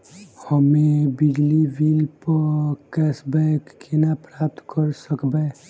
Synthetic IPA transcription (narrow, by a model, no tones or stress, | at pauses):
həmebiɡlibilpəkɛsbɛkːenapɾap̚t̪kəɾsəkbe